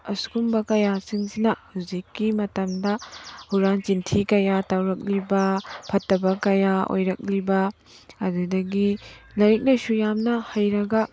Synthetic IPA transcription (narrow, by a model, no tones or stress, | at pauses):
ɐskumbɐkɐjasiŋsinɐhuzikːimɐtɐmdɐhuɾant͡ʃintʰikɐjatawɾɐk̚libɐpʰɐtːɐbɐkɐjao̰jɾɐk̚libɐː | dudɐɡilɐɾik̚nɐsujamnɐhɐjɾɐɡɐ